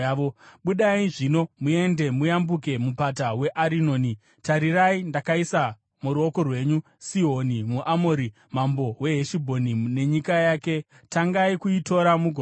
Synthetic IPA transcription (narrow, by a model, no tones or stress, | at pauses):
oɓuɗaiʐino̞mue̞nde̞mujambuk̬e̞mupatawe̞ʔaɾino̞ːni | taɾiraindakaisa | muɾuo̞ko̞rwe̞ːɲu | siɦo̞nimuʔamoɾi | mambo̞we̞ɦeʃibʱo̞nine̞ɲikajaːke̞ | taŋɡaikuito̞ɾamuɡʱo